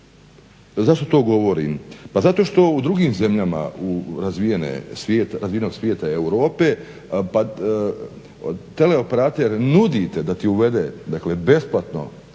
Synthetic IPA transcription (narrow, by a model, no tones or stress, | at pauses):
zaʃt̪ot̪o̞ːɡo̞ʋo̞ɾḭmpazat̪o̞ʃt̪o̞ud̪ɾuɡiːmze̞mʎama̰uɾazʋijenḛsʋjeːt̪aɾazʋienoɡsʋje̞ːt̪aeuɾo̞ːpe̞ | pa | t̪e̞le̞o̞peɾat̪eɾnud̪it̪ed̪at̪iuʋe̞d̪ed̪akle̞be̞splˠat̪no̞̰